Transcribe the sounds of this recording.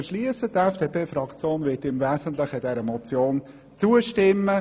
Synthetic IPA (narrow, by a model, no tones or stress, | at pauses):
əʃliəsətɛfd̥epʰeːfɾɑkt͡sjoːnʋɪtɪmvɛːsəntləχəd̥ɛɾəmɔt͡sjoːn | t͡suəʃtɪmːə